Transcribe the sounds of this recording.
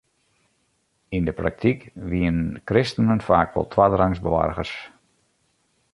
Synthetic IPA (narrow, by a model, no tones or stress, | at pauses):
indəpra̰k̚tikʋiənnkrɪstənənfaːkʋɔ̰lˠtʰʋadraŋzbəʋa̰rɣərs